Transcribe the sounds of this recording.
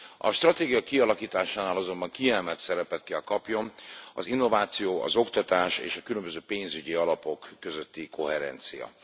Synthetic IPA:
ɒʃt̪ɾrɒt̪eːɡijɒkiɒlɒkiːt̪aːʃaːnaːlɒzo̞mbɒŋkiɛlmɛt̪sɛɾɛpɛt̪kɛlkɒpjo̞mɒ̰zinːo̞vaːt̪sijoːɒ̰zo̞kt̪ɒt̪aːʃḛːʃɒkylømbøzøːpeːnzyɟiɒlɒpo̞kːø̞zøt̪ːikʰo̞ɦɛɾɛ̰nt̪sijɒ̰

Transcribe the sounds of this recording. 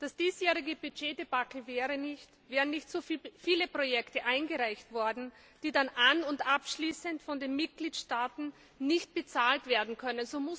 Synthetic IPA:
d̥asd̥iːsjɛːʁɪɡəbyd͡ʒeːdebakəvɛːʁənɪçtvɛːʁənɪçtsoffiːləpʁ̥ojɛktəʔaɪnɡəʁaɪçtv̥ɔɐdn̩ | d̥iːdanʔanʊntʔapʃliːsəntfɔndeːnmɪt̚ɡ̥liːtʃtaːtn̩ | nɪçt̚b̥ət͡saːltv̥eːɐdn̩kʰœnənzoːmʊs

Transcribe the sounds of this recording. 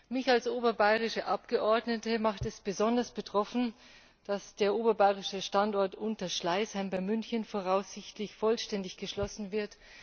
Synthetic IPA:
mɪçalsʔoːbɐbaɪʁɪʃəʔapɡ̥əʔɔɐdnətəmaχtɛsb̥əzɔndɐsb̥ətʁ̥ɔfn̩ | d̥asd̥eːɐʔoːbɐbaɪʁɪʃəʃtantɔɐtʔʊntɐʃlaɪshaɪmbaɪmʏnçənfoːʁaʊsz̥ɪçtlɪçfɔlʃtɛndɪçɡ̥əʃlɔsn̩vɪɐt

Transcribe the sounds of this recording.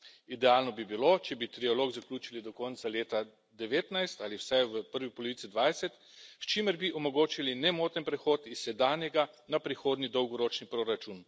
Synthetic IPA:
id̪ɛaːlnɔbibilot͡ʃɛbit̪ɾialoːɡzaklʲuːt͡ʃilid̪ɔkɔːnt̪saleːt̪a | d̪ɛʋeːt̪najst̪aːliwsajʋəpəɾʋipɔlɔʋit̪sid̪ʋajsɛt̪ | st͡ʃiməɾbiʔɔmɔɡoːt͡ʃilinɛmoːt̪ənpɾɛxoːt̪isːɛd̪aːnjɛɡa | napɾixoːd̪nid̪ɔwɡɔɾoːt͡ʃnipɾoɾat͡ʃun

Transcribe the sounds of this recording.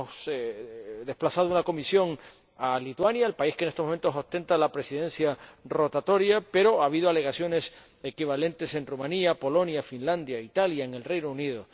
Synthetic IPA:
s | d̪e̞hplasað̞ounako̞misjo̞ŋ | alit̪wanjaelpaiskenest̪o̞mo̞ment̪osost̪e̞nt̪alapɾe̞siðe̞nsjaro̞t̪at̪o̞ɾjape̞ɾo̞aβ̞ið̞oale̞ɣ̞asjo̞ne̞s | e̞kiβ̞alẽ̞nt̪e̞se̞nrumãniapo̞lo̞njafinlãnd̪jait̪aljaeŋe̞lre̞jnouniðo

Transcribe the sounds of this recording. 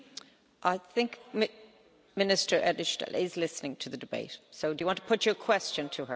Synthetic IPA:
ʔaɪθɪ̃ŋkm | mɪnɪstə˞ʔɛdⁿɪʃdɛ̰lɪzlɪsnɪ̃ŋtʰəðədɪbḛɪtsoʊdəjəwɑ̃ntʰə̥pʰʊt͡ʃə˞kʰw̥ɛst͡ʃə̃ntʰəə

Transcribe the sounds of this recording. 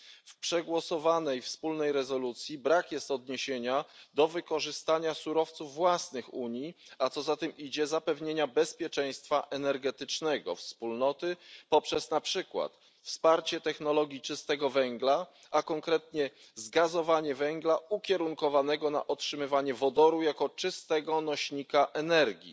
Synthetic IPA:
fpʂɛɡwɔsɔvanɛjfspulnɛjɾɛzɔlut̪sʲjibɾakjɛst̪ɔd̪ɲeɕeɲad̪ɔvɘkɔʐɘst̪aɲasuɾɔft̪suvːwasnɘxuɲiat̪sɔzat̪ɛmʔid͡ʑɛzapɛvɲeɲabɛspʲjɛt͡ʂɛj̃st̪faʔɛnɛɾɡɛt̪ɘt͡ʂnɛɡɔ̰fspulnɔt̪ɘpɔpʂɛsnapʂɘkwa̰t̪ | fspaɾt͡ɕɛt̪ɛxnɔlɔɡʲjit͡ʂɘst̪ɛɡɔvɛŋɡla | akɔŋkɾɛt̪ɲɛ | zɡazɔvaɲɛvɛŋɡlaukʲɛɾuŋkɔvanɛɡɔna̰ʔɔtʂɘmɘvaɲɛvɔd̪ɔɾujakɔt͡ʂɘst̪ɛɡɔnɔɕɲikaʔɛnɛɾɡʲḭ

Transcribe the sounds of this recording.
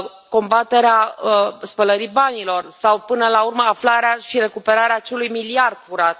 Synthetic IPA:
ko̞mbat̪e̞ɾeaəspələɾibanilo̞rsawpɨnəlaurməaflaɾeaʃiɾe̞kupe̞ɾaɾeaːt͡ʃe̞lujmiliard̪̥fuɾat̪̚

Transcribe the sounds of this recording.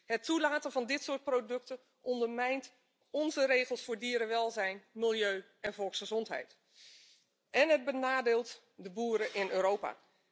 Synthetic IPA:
hɛtʰːulaːtənvɑndɪtsʊːt̚prodɵk̚tə | ʔɔndərmɛjnt | ɔnzəreːɣəlˠsfʊːɹdiəɾəʋɛlˠzɛjnmilˠjøː | ɛnvɔlˠksχəzɔntɦɛ̰jt | ʔɛnɦəd̚bənaːdeːlˠt | dəbuːəɾəʔɪnøːɾoːpa̰

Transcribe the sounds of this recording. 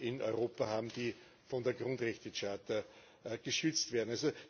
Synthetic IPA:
ʔɪnɔ̰ʏʁoːpɐhaːbm̩d̥iː | fɔndeːɐɡʁʊndʁɛçtət͡ʃaːt̪ə | ɡ̥əʃʏt͡stv̥eːɐn̩also

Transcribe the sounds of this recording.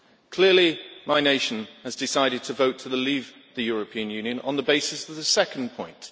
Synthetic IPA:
kʰl̥ɪəlimaɪneɪʃə̃nəzdɪsaɪɾɪd̚tʰəvəʊtʰələliːvðəjɔɹəpʰĩə̃njʉ̃njə̃nə̰̃nðəbeɪsɪsəvðəsɛkə̃n̩pʰɔ̃ɪ̃nt

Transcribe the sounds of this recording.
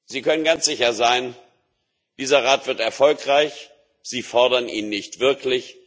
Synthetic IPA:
z̥iːkʰœnənɡant͡sz̥ɪçɐzaɪn | d̥iːzɐʁaːtv̥ɪɐtɛɐfɔlkʁ̥aɪç | z̥iːfɔɐdɐniːnːɪçtv̥ɪɐklɪç

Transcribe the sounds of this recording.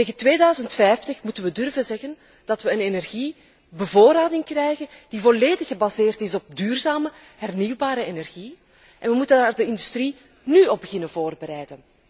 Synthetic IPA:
teːɣəntʋeːdœːɥzəntfɛjftəxmutənʋədɵrvənzɛɣən | d̥ɑtʋəənenɛrɣi | bəvoːɾaːdɪŋkrɛjɣənd̥ivɔleːdɪxəbazeːrtɪsɔp̚dyːrzaːmə | ɦɛrniwbaːɾəenɛrɣi | ʔɛnʋəmutənaːrdəɪndystri | nyɔb̚bəɣɪnənvoːrbəɾɛjdən

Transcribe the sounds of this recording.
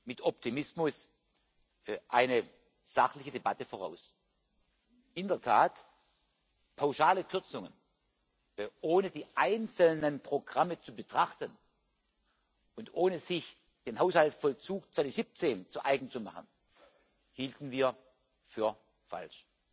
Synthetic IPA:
mɪtɔptʰimɪsmʊs | ʔaɪnə | z̥aχlɪçədebatəfoːʁa̰ʊs | ʔɪndɐtʰaːt | pʰaʊʃaːləkʰʏɐt͡sʊŋən | ʔoːnədiːʔaɪnt͡sl̩nənpʁ̥oɡʁamət͡subətʁ̥aχtən | ʊntʔoːnəz̥ɪç | d̥eːnhɦaʊshaltfɔlt͡suːk̚t͡sv̥anz̥ip̚t͡seːnt͡suʔaɪɡŋ̩t͡suma̰χən | hiːltn̩viːɐ | fyːɐ | fa̰lʃ

